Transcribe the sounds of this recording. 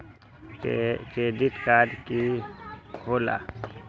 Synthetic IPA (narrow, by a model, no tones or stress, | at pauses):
t͡ʃed̪it̪kaːdki | kʰola̰